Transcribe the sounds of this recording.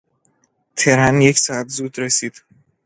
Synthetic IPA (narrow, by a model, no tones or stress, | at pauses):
t̪ʰeɾanjecsaabzud̪ɾesid̪̥